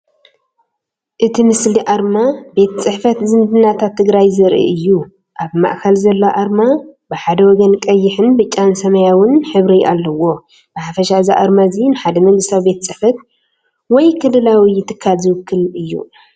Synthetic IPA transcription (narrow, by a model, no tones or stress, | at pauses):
ʔɨt̪ʰimɨsliʔaɾmabe̞t̪t͡sʼɨħfɐt̪zɨnd̪ɨnːat̪ʰat̪ʰːɨɡɾajzɨɾʔḭɨjːu | ʔaβma̰ʔkʰɐlzɐlːoʔaɾmabɨħad̪ɐwɔɡɐnkʼɐjːɪħɨnbɨt͡ʃʼːansɐmɐjawʊnħɨβɾiʔalːɐwo̞ | b̥ɨħafɐʃaziʔaɾmazinɨħad̪ɐmɐŋɡɨst̪ʰawibe̞t̪t͡sʼɨħfɐt̪̚ | wɔjkʰɨlɨlawijɪt̪ʰɨkʰːalzɨwɨkʰːɨlɨjːṵ